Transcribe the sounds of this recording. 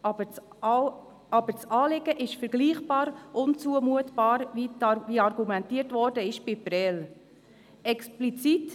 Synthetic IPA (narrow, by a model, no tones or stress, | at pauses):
bə | ɑbəɾt͡sɑːlɪɡəʔɪʃfɛɾɡliːχb̥ɑːɾʔʊnt͡suəmuətb̥ɑːɾvitʋiɑɾɡumɛntiːəɾtʋɔɾdəɪʃb̥ɪpɾɛl | ɛksplit͡sit